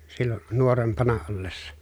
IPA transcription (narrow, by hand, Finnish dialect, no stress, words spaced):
silːo nuorempɑnɑ olːesːɑ